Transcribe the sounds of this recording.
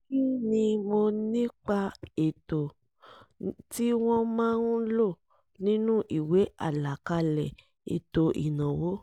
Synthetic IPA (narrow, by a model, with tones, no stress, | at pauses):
ki˦nĩ˧mo˧nĩ˦k͡pa˧e˨to˨ | ti˦w̃ɔ̃˦mãː˦nũ˦lo˦˨ | nĩ˦nũ˦ʔi˨we˨˦a˦˨la˨ka˧lɛ˨ | ḛ˨to˧ʔḭ˨nã˨wo˨˦